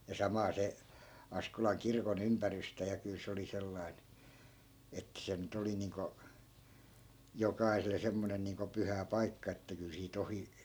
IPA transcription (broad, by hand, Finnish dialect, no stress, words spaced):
jɑ sɑmɑː se ɑskolɑŋ kirkon ympærystæ jɑ kyl se oli selːɑi̯n etːæ̆ se nyt oli niːŋko jokɑisele semːonen niːŋko pyhæ pɑikːɑ etːæ kyl siːt ohi